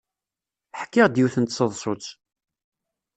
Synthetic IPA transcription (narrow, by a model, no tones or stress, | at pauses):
ħkːɪʁd̪jiθənt̪səðˤsˤot͡s